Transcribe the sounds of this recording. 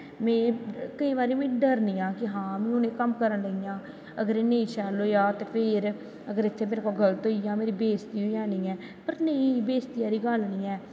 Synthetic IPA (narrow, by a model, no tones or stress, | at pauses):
mẽːkəĩːβaːɾeːmĩːɖəɾniːjãːkɪɦãːmĩːʊnẽːkəmkəɾənləijãː | əɡəɾeːneĩːt͡ʃɛːloːjaːt̪eːpʰɪɾ | əɡəɾɪt̪ʰːeːmeːɾkoːɡələt̪oːijãːmeːɾiːbeːst̪iːɦoːjãːniːɛː | pəɾneĩːbeːst̪ɪjaːɾiːɡalniːɛː